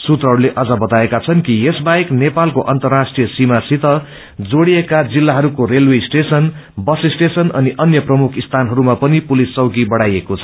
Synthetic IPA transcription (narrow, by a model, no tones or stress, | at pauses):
sut̪rʌɦʌɾuleʔʌd͡zʌbʌt̪aekat͡sʰʌnkijesbaeknepalkoʔʌnt̪ʌrːasʈrijʌsimasit̪ʌ | d͡zoɽiekad͡zilːaɦʌɾukoɾelwesʈesʌn | bʌsisʈesʌnʌniʔʌnjʌprʌmukʰist̪ʰanɦʌɾumapʌnipulisːʌwkibʌɽajekot͡sʰʌ̥